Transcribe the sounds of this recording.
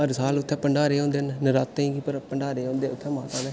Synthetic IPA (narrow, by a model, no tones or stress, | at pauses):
əɾsaːlʊt̪ʰːɛ̃ːpəɳɖaːɾeːõːnd̪eːnːəɾaːt̪ːẽĩːɡiːpəɾpəɳɖaːɾeːõːnd̪eːʊt̪ʰːɛ̃ːmaːt̪ãːnd̪eː